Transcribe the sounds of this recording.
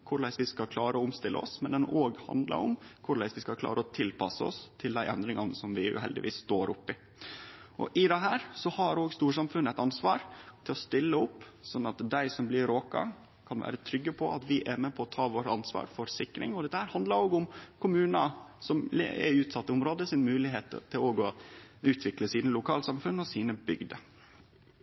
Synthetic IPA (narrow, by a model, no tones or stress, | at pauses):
kʰʊɾɭæɪsʋɪskɑlkʰlɑːɾəɔʊmst̪ɪlə̰ɔ̰smɛnd̪ɛnoːɡhɑ̰nd̪lɑ̰ɾʊ̰mkʰʊɭæɪsʋɪskɑkʰlɑ̰ːɾəɔt̪ʰɪlpʰɑsəɔ̰st̪ʰɪld̪æɪʔɛnd̪ɾɪŋɑnsɔmʋɪʉ̰ɦɛ̰ld̪ɪ̰ʋḭːsst̪oːɾʊpːɪ | ʔɔ̰ʔɪd̪ɛɦæːɾsɔhɑɾoːɡst̪uːʂɑmfʉnːəɛɪt̪ɑnsʋɑːɾt̪ʰɪlɔst̪ɪlːəʊpːsɔnːɑt̪d̪æɪsɔmblɪɾoːkɑ̰ | kʰɑnʋæ̰ːɾət̪ʰɾʏɡːəpʰɔʔɑ̰t̪ʋɪʔæɾmeːpʰɔɔt̪ʰɑːʋoːɾəɑnsʋɑ̰ːɾfɔɾsɪkɾɪ̰ŋɔd̪ɛt̪ːəhæːɾhɑnd̪lɑɾoːɡʊmkʰʊmʉːnɑsɔml̰ɛ̰ʉːt̪sɑt̪ːəʊmɾoːd̪əsɪnmʉːlɪɦeːt̪ʰːɪloːɡɔʉːt̪ʰʋɪkləsiːnəlʊkʰɑːlsɑmfʉnːɔsiːnəbʏɡd̪ə